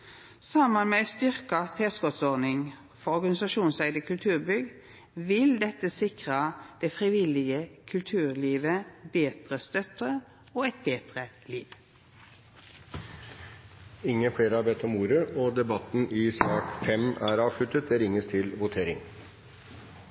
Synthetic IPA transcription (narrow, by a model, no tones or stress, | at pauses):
sɑmːənmest̪ʏʁkɑt̪ʰeːskɔt̪sɔʁnɪŋ | fɔɔʁɡɑnɪsɑʃuːnsæɪd̪əkʰʉlt̪ʰʉːʁbʏɡ | ʋɪld̪ɛt̪əsɪkʁəd̪̥ɛfʁɪʋɪlɪɡəkʰʉlt̪ʰʉːʁliːʋəbeːd̪̥ʁəst̪œt̪ə | oːɛt̪̚beːd̪̥ʁə | liːʋ | ɪŋːəfɽeːɾəɑɾbɛt̪ːɔmuːɾəʔɔd̪ɛbɑt̪ːn̩ɪsɑːkfɛmæɾɑːʋʂɭʉt̪ːət̪̚d̪ɛɾɪŋːəst̪ʰɪlʋʊt̪ʰeːɾɪŋ